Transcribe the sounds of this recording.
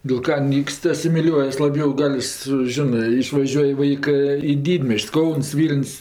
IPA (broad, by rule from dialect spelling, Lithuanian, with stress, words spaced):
dʲɪlˠ ˈkɐ ˈnʲiːkst ɐsʲɪmʲɪˈlʲuɔjɛs lˠɐˈbʲjɛʊ ˈɡɐlʲ sʊ ˈʒʲɪnɜ ɪʃʋɐˈʒʲuɔj ˈʋɐɪkɜ iː ˈdʲiːdʲmʲiɛsʲt͡ʃʲsʲ ˈkɐʊns ˈʋʲiːlʲnʲsʲ